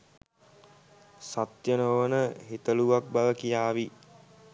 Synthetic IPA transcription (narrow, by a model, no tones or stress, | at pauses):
sat̪jənoʋənəɦit̪əluʋak̚baʋəkijaːʋi